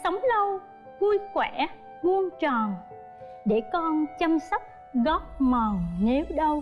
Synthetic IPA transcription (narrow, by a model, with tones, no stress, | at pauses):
sə˨˦wŋ͡mlə˧w | ku˧jkwɛ˧˩˨ | mu˧ənt͡ɕɔ˨˩n | ɗe˧˩kɔ˧nt͡ɕa˧msə˦˥wk͡p̚ | ɣɔ˦˥p̚məː˨˩ŋne˨˦wɗə˧w